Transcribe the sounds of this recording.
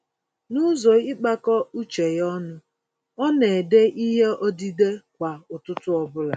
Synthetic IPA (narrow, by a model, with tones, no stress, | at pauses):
nʊ˦zɔ˨ɪ˦k͡pa˦kɔ˦u˦t͡ʃe˨jɔ˦nʊ˦ | ɔ˦ne˨de˦ʔi˦ɦe˦ʔɔ˦di˦de˦kʷa˨ʊ˨tʊ˦tʊ˦ɔ˦bʊ˦la˨